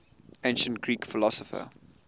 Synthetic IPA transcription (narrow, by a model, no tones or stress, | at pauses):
ẽɪ̃nʃə̃ntɡ̥ɹiːkfɪlɔsəfə̰